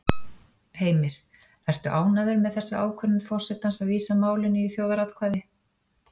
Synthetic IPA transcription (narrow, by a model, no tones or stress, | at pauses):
heːjmɪɾ̥ | ɛrst̪ʏʔaːwnaðʏɾmɛðθɛsːaaːwkʰvœnʏfɔr̥sɛt̪ansaðviːsamaːwlɪnːʏiθjoːwðaɾat̪kʰvaːjðɪ